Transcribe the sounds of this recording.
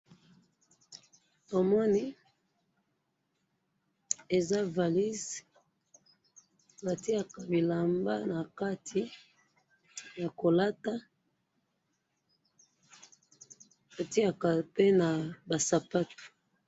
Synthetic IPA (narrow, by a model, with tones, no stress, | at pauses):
to˨mɔ˦ni˦ | e˨za˦va˨li˦z | ba˨ti˦a˨ka˨bi˨la˨mba̰˦na˨ka˦tʰi˨ | ja˨ko˨la˦ta˦ | ba˨ti˦a˨ka˨pe˦na˨ba˨sa˨pa˦to̥˨